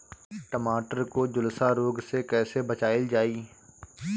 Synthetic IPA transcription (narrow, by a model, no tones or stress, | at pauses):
ʈəmaːʈəɾkoːd͡ʒʊlsaːɾoːɡsekɛːsebət͡ʃaːɪld͡ʒaːiː